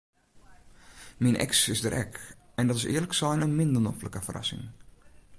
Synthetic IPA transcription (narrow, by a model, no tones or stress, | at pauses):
minʔɛ̰ksɪsdəɾʔɛk | ɛndɔtɪsɪ̰ːələksɛjnənmɪndərnofləkəfərɑ̰sɪ̰ŋ